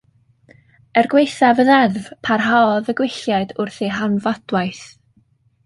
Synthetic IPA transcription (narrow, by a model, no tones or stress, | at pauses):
ɛrɡwejθavəðɛrvpʰarɦaɔðəɡwɪɬjaɨdʊrθiɦanvad̥wajθ